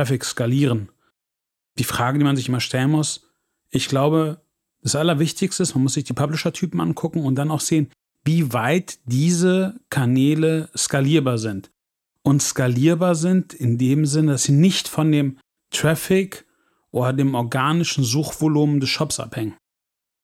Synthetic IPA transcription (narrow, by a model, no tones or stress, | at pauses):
ɛfɪkskaliːʁ̞ən | d̥iːfʁ̥aːɡədiːmanzɪçʔɪmɐʃtʰɛlənmʊs | ʔɪçɡ̥laʊbə | d̥asʔalɐvɪçtɪçstəsmanmʊsz̥ɪçd̥iːpʰablɪʃɐtʰyːpm̩ʔa̰nkʰʊkŋ̩ʊnt̚d̥anaʊxz̥eːən | viːvaɪtd̥iːzəkʰaɐnɛːləskaliːɐbaːɐzɪnt | ʔʊntskaliːɐbaːɐzɪntɪndeːmzɪnədasz̥iːnɪçtfɔndeːm | tʁ̥ɛfɪk | ʔoːdɐdeːmʔɔɐɡaːnɪʃn̩zuːxv̥oluːmdɛsʃɔpsʔa̰phɛŋən